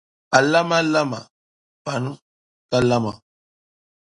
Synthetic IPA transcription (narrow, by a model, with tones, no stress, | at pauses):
a˨la˦ma˦la˦ma̰˨ | ba˨nũ˦ | ka˦la˦ma˨